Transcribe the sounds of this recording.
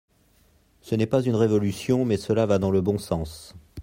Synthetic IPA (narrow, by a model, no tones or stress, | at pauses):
sənɛpazynʁevɔlysjɔ̃mɛsəlavad̪ɑ̃ləbɔ̃sɑ̃s